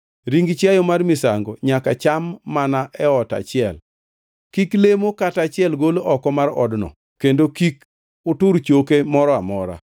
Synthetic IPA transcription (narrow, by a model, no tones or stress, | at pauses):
ɾiŋɡt͡ʃjajɔmarmɪsaŋɡɔɲakat͡ʃamːanaʔɛɔta̰t͡ʃɪɛl | kiklemokatat͡ʃɪɛlɡoloʔɔkɔmaɾɔ̰dnɔ̰ | kendokik | ʊtʊɾt͡ʃokemɔɾɔamɔɾa̰